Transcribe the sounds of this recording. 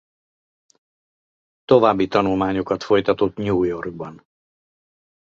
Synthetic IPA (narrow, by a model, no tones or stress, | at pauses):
t̪o̞vaːbːit̪ɒnulmaːɲokɒt̪fo̞jt̪ɒt̪ot̪ɲuːjo̞rɡ̚bɒn